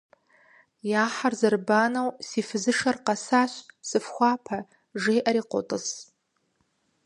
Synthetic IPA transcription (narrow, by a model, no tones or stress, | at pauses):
jaːħarzɨrbanɐwsifɨzɨʂarqɑsaɕsɨfxʷɑːpʰa | ʐejʔaɾiːqʷotʼɨs